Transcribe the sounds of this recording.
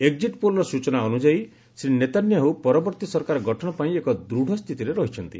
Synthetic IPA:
eɡ̚d͡ʒiʈpolɔɾɔsut͡ʃɔnaɔnud͡ʒaj | sɾinet̪anjɔɦowpɔɾɔbɔɾt̪isɔɾkaɾɔɡɔʈʰɔɽ̃ɔpaĩekɔd̪ɾuɽʱɔst̪ʰit̪iɾeɾɔɦit͡ʃʰɔnt̪ḭ

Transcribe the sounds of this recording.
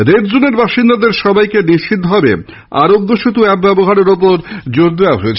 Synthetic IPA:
ɾeɾd͡ʑoneɾbaʃind̪ad̪eɾʃɔbajkeniʃʰid̪ʱɦɔbe | a̰ɾoɡːoʃut̪uɛkbɛboɦaɾeɾopoɾd͡ʑoɾd̪eaɦoet͡ɕʰ

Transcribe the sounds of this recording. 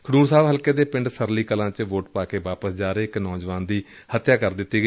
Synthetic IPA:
kʰəɽuːɾsaːbɦəlkeːd̪eːpɪ̃ɳɖsəɾliːkəlãːt͡ʃʋoːʈpaːkeːʋaːpəsd͡ʒaːɾeːɪknɔːd͡ʒʋaːnd̪iː | hət̪jaːkəɾd̪ɪt̪ːiːɡə

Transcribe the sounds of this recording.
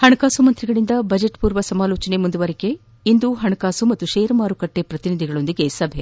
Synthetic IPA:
hɐɳɐkaːsumɐnt̪ɾiɡɐɭind̪ɐbʱɐd͡ʒeʈpuːɾʋɐsɐmaːloːt͡ʃɐnemund̪uʋɐɾike̞ | ind̪uɦɐɳɐkaːsumɐt̪ːuʃeːjɾɐmaːɾukɐʈːe̞pɾɐt̪inid̪ʱiɡɐɭo̞nd̪iɡe̞sɐbʱe

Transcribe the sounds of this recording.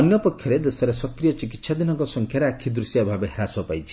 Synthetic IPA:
ɔnjɔpɔkʰːjɔɾed̪esɔɾesɔkɾijɔt͡ʃik̬it̪sʰad̪inɔŋkɔsɔŋkʰjaɾeakʰid̪ɾusjabʱabeɦeɾasɔpajt͡ʃʰi̥

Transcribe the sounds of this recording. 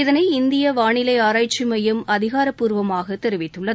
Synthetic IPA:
ɪðɐnɐɪɪnd̪ɪjɐʋaːɳɪlɐɪaːɾaːjt͡ʃːɪmɐjɯmɐðɪɣaːɾɐpːuːɾʋɐmaːɣɐt̪ɛɾɪʋɪt̪ːɯɭːɐð

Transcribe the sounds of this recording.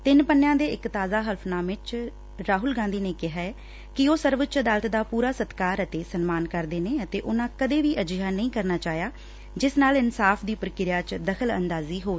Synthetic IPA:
t̪ɪnpənːjãːd̪eːɪkt̪aːzaːɦəlpʰnaːmɪt͡ʃ | ɾaːɦʊlɡãːnd̪iːneːkɪɦaːɛː | kɪoːsəɾʋət͡ʃəd̪aːlət̪d̪aːpuːɾaːsət̪kaːɾət̪eːsənmaːnkəɾd̪eːneːət̪eːʔʊnãːkəd̪eːʋiːʔəd͡ʒjaːnəĩːkəɾnaːt͡ʃaːjaː | d͡ʒɪsnaːlɪnsaːfʰd̪iːpəɾkɪɾjaːt͡ʃd̪əkʰələ̰nd̪aːziːɦoː

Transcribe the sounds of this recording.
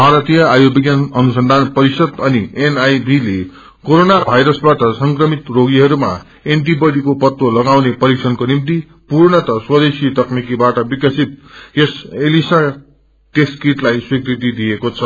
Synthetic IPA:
bʱaɾʌt̪ijʌajobiɡjanʌnusʌnd̪ʱanpʌɾisʌd̪ʌnienajdile | koɾonabʱajɾʌsbaʈʌsʌŋkrʌmit̪roɡiɦʌɾuma̰ | enʈibʌɽikopʌt̪wolʌɡawnepʌɾiksʰʌnkonimt̪i | puɾɳʌt̪ʌswʌd̪esit̪ʌknikibaʈʌbikʌsit̪̚jeselisa | ʈeskiʈlajswikɾik̪id̪ijekot͡sʰʌ

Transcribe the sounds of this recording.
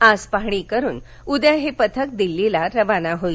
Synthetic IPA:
aspaɦɽ̃ikəɾuːn | ud̪jaɦepət̪ʰək̚d̪ilːilaɾəʋanaɦoj

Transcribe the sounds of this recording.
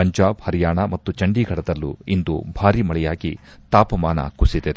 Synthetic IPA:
ɐɲd͡ʒaːbhɐɾijaːɳɐmɐt̪ːut͡ʃɐɳɖiɡʱɐɽɐd̪ɐlːṵind̪ubʱaːɾimɐɭɛjaːɡit̪aːpɐmaːnɐ̰kusid̪ed̪e

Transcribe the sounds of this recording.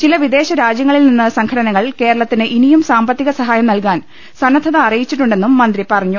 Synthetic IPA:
t͡ɕilɐʋid̪e̞ːɕɐɾaːd͡ʑjɐŋːɐɭilninːɨsɐŋkʰɐɽɐnɐŋːɐɭke̞ːɾɐɭɐt̪ːinɨʔinijumsaːmbɐt̪ːiɣɐsɐɦaːjɐmnɐlkaːn | sɐnɐd̪ʰʱːɐðɐːrijit͡ɕːiʈ̬ːuɳɖe̞nːumːɐnd̪ripɐrɐɲːu

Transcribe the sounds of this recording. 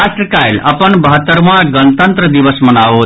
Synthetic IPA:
asʈɾəkajləpənbəɦət̪ːəɾmãɡənət̪ənt̪ɾəd̪ibəsmənaɦo

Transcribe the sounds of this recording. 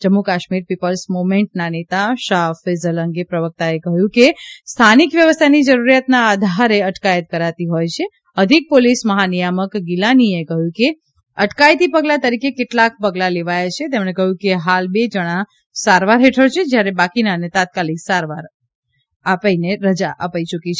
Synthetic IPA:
d͡ʒəmːukaʃmiɾpipəlsmomeɳʈnanet̪aʃafezələŋɡepɾəʋək̚t̪aekəɦjũkest̪ʰanikʋjəʋəst̪ʰanid͡ʒəɾuɾjat̪naːd̪ʱaɾeəʈkajət̪̚kəɾat̪iɦojt͡ʃʰe | əd̪ʱik̚polisməɦanijaməkɡilaniekəɦjũke | əʈkajt̪ipəɡlat̪əɾikekeʈlak̚pəɡlaleʋajat͡ʃʰet̪emɳ̃ekəɦjũkeɦalbed͡ʒəɽ̃a | saɾʋaɾɦeʈʰəɾt͡ʃʰed͡ʒjaɾebakinaənet̪at̪̚kaliksaɾʋaɾ | apaineɾəd͡ʒaʔəpait͡ʃukit͡ʃʰe

